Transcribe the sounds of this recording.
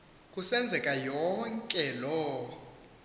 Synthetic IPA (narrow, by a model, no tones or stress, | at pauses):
kʼusɛnd͡zʱɛkʼajɔŋkʼɛlɔ